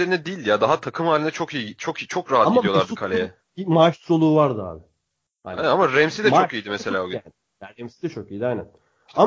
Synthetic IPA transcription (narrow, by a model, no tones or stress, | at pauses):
eɾinɛd̪ijlʲjad̪aɦat̪ʰakʰɯmhaːlʲind̪ɛt͡ʃʰo̞kijt͡ʃʰokit͡ʃʰokɾaɦat̪ɡiijo̞lˠaɾd̪ɯkʰalʲejɛ | imaʃsolˠuːvaɾd̪ɯa̰ːbɪ | ha̰aamaɾɛmsid̪ɛt͡ʃoijid̪imese̞lʲaːoɡy | ɾɛmsid̪ɛt͡ʃʰo̞kijid̪ajnæn | a